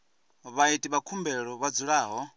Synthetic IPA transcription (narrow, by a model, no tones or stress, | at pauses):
βaitʼiβakʰumbɛɺɔβad͡zuɺaːɦɔ